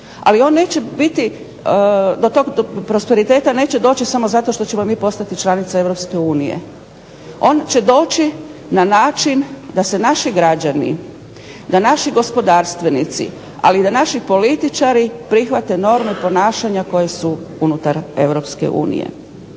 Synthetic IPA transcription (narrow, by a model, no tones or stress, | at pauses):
a̰lio̞ːnːe̞ːt͡ɕe̞bit̪i | d̪o̞t̪o̞ɡ̪opɾo̞spe̞ɾit̪e̞ːt̪ane̞ːt͡ɕed̪o̞ːt͡ɕisamo̞zat̪o̞ʃt̪o̞t͡ɕe̞mo̞miːpo̞st̪at̪it͡ʃlˠanit̪sae̞ʋɾo̞pske̞uːnijḛ | o̞ːnt͡ɕe̞d̪o̞ːt͡ɕinanaːt͡ʃind̪ase̞naʃiɡɾad͡ʑanḭ | d̪anaʃiɡo̞spo̞d̪aːɾst̪ʋe̞nit̪sḭ | a̰lid̪anaʃipo̞lit̪it͡ʃaɾipɾixʋat̪e̞no̞ɾmepo̞naːʃaɲako̞je̞suunut̪aɾe̞ʋɾo̞pskḛʔṵːnḭjḛ